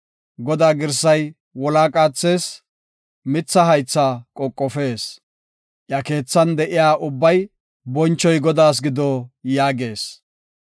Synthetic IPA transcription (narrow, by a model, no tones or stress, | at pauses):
ɡɔd̪aːɡɪɾsɐj | wɔlaːkʼaːt͡sːe̞ːs | mɪt͡sːɐɦɐjt͡sːaːkʼɔkʼːɔfe̞ːs | ʔɪjɐke̞ːt͡sːɐnd̪ɛʔɪjaːʔʊbːɐj | bɔnt͡ʃːɔjɡɔd̪aːs̬ɡɪd̪ɔjaːɡe̞ːs